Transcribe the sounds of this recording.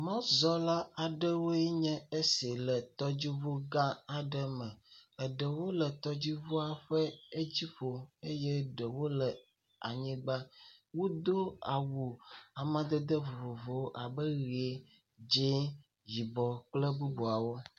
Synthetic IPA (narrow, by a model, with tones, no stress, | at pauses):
mɔ̃˦zɔ˦la˦a˨ɖə˦wo˦ɛ˦ɲɛ̃˦e˦si˨lə˨t̪ɔ˦d͡ʑi˦vo˦ɡã˦a˨ɖə˦mə̃˨ə˨ɖə˨wo˦lə˨t̪ɔ˦d͡ʑi˦vo˦a˨ɸə˦e˦d͡ʑi˦ɸo˨e˦jɛ˦ɖə˨wo˦lə˨ | a̰˨ɲĩ˦ɡ͡ba˦wo˦d̪o˦a˨wu˨a˨mã˦d̪ə˦d̪ə˦vo˨vo˨vo˨˦ʔa˨bə˦ɣi˨e˨ | d͡ʒe˦ | ji˨bɔ˨k͡plə˦bu˦bo˨a˨wo˦